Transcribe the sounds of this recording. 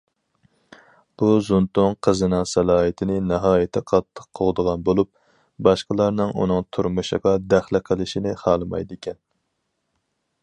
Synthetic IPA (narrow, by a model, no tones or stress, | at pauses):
b̥uzunt̪ʊŋqʰəzɨnɨŋsɛlˠɑːɦɨt̪ʰɪnɪnɑɦɑːjɪt̪ʰɛqʰɑt̪ʰːə̥qʰːoʁd̪əʁɑnbolˠup̚ | bɑʃqəlˠɑɾnɨŋʔṵnɨŋt̪ʰuɾmuʃəʁɑd̪æχlɪqʰəlˠɪʃinɪχɑːlˠɨmɑ̰jd̪ɪkʲʰɛn